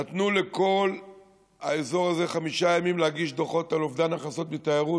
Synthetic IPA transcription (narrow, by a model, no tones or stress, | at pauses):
nat̪nule̞ko̞l | a̰ezo̞ʁaze̞χamiʃajamimlehaɡiʃd̪oχo̞talo̞vdanaχaso̞t̪mitajeʁu